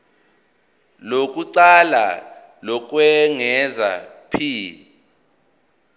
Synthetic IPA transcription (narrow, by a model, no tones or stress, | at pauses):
lok̬ʼuǀala̰ | lɔk̬ʼwɛŋɛza̰pʰiː